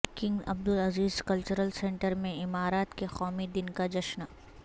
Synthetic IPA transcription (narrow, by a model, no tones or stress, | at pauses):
kɪ̃ŋɡɐ̰b̚d̪ʊlɐziːzkɐlt͡ʃʊɾəlsẽɳʈəɾmẽɪmaːɾaːt̪kexɔːmid̪ɪnkad͡ʒɐʃna